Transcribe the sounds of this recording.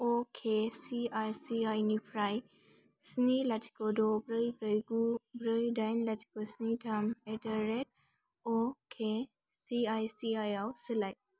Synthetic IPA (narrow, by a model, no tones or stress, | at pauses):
okʰesiajsiajnipʰɾaj | snilatʰi̥kɔdɔbɾɯjbɾəjɡubɾəjdajnlatʰi̥kɔsnitʰametəɾet̚ | ɔkʰe | siajsiajawsɨlaj